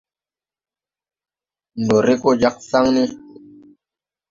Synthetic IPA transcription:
n˨do˨ɾi˦ko˦d͡ʒa˦k̚sa˦ŋni˦

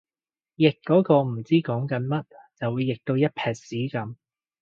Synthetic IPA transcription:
jɪ˨kːɔː˨˥kɔː˧m̩˨˩t͡siː˥kɔː˨˥ŋkɐ˨˥nmɐ˥t̚t͡sɐ˨wuː˨˧jːɪ˨k̚t̪o˧wjɐ˥t̚pʰɛː˨˧t̚siː˨˥kɐ˨˥m

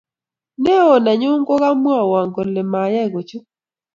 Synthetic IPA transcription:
nɛ˦ɔ˨na˨ɲʊ˦ŋɡɔ˦ɣa˦mwa˦˨wa˨ŋɡɔ˨lɛ˨ma˨ja˦˨ɣo˨t͡ʃu˦

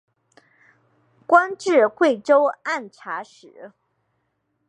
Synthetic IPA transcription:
kwa˥nʈ͡ʂɻ̩˥˧xwe˥˩ɪʈ͡ʂo˥ʊa˥˩nʈ͡ʂʰa˧˥ʂɻ̩˨˩˦

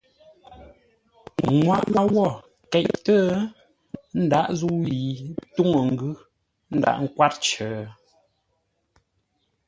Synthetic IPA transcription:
ŋwa˦˨ʔwa˦wɔ˦˨ | kɛ˨ʔtə˦ | n̩˦da˦ʔzu˦ji˨tu˦ŋə˨ŋ̩˦ɡʉ˦ | n̩˦da̰˨ʔŋ̩˦kwa˦t̚t͡ʃə˨

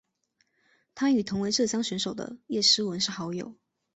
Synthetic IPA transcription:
t̪ʰa˥y˨˩t̪ʰʊ˧˥ŋwe˧˥ɪʈ͡ʂɤ˥˨˩ɕjɑ˥ŋɕɥɛ˧˥nʂo˨˩ʊd̪ə̰˧˦jɛ˥˩ʂɻ̩˥wə˧˦nʂɻ̩˥˩xɑ˧˥ʊjo˨˩ʊ

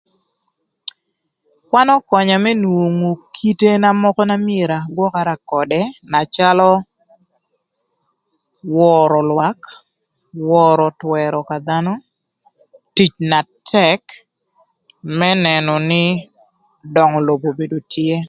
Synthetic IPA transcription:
kwa˦nɔ˦kɔ˨ɲa˨mɛ˦nwo˨ŋo˨kʰi˦te˦na˦mɔ˦kɔ˦na˦mɪe˨ɾa˨ɡwɔ˦ka˦ɾa˨kɔ˨dɛ˦na˨t͡ʃa˦lɔ˦ | wɔɾɔ˨lwa˦k | wɔɾɔ˨twɛ˨ɾɔ˨ka˨d̪a˦nɔ˦ | ti˨t͡ʃna˨tʰɛk | mɛ˦nɛ˨nɔ˨nɪ˦ | dɔ˨ŋɔ˨lo˨bo˨be˨do˨tʰje˦

